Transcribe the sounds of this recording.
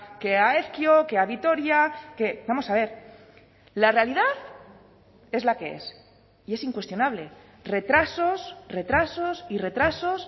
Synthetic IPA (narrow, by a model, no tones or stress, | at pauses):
keaeθkjo̞ke̞aβit̪o̞ɾjake̞bamo̞saβ̞e̞ɾ | lare̞aliðaθ | e̞zlake̞ḛs | ie̞siŋkwe̞st̪jo̞naβle̞ | re̞t̪ɾaso̞sre̞t̪ɾaso̞sire̞t̪ɾaso̞s